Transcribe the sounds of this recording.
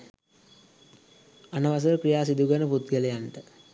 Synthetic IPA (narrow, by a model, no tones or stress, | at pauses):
anəʋas̬əɾəkɾijaːsid̪uɡənəput̪ɡələjanʈə